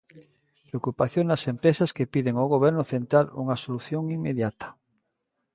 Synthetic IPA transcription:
pɾeokupaθjoŋdasempɾesaskepiðeŋoɣoβ̞ɛɾnʊθent̪ɾalṵŋasoluθjoŋimːeðjat̪ḁ

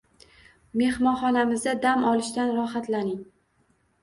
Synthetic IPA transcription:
me̞hmɒnχɒnamɪzd̪ad̪amɒlɪʃt̪anɾɒɦat̪lanɪŋ

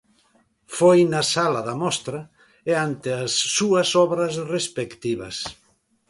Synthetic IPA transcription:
fojnɐsalɐðɐmɔst̪ɾɐ | eant̪ɪasːuɐsɔβɾɐsrespekt̪iβɐ̰s

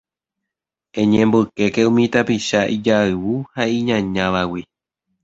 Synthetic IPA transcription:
ẽ̞ɲẽmbɨke̞keũmĩt̪apiʃaʔid͡ʒaɨwuhaĩɲãɲãʋawi

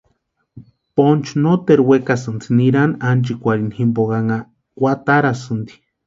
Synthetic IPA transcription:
pont͡ʃnot̪eɾwekasɨnt͡siniɾanant͡ʃikʷaɾinhimboɣaŋa | kʷat̪aɾasɨnd̪i̥

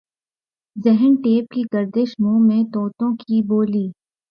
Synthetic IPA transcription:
zɛɦənʈeːp̚kiɡəɾd̪eʃmũːmẽt̪ɔːt̪õkiboːliː

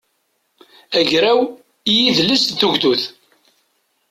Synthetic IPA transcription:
æʝɾæw | jiðləsθuʝd̪uθ

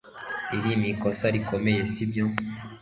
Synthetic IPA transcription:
ilimikɔsaɾikɔmɛjesibjɔ

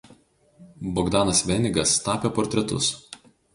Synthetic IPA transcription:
bɔɡd̪ɑːnɐsʋʲɛnʲɪɡɐst̪ɑːpʲeːpɔːɾʲt̪ʲɾʲɛt̪ʊ̰s

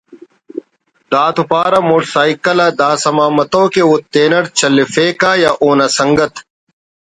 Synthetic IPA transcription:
d̪aːt̪upaːɾɐmoʈsaːikɐlaːd̪aːsɐmaːmɐt̪õːkeut̪ːeːnɐɽt͡ɕɐlːefeːkaːjaːʔoːnɐsɐŋɡɐt̪

